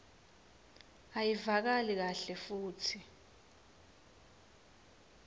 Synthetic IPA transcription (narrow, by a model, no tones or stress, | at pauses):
ajivak̬alik̬aɬɛfuːtʰi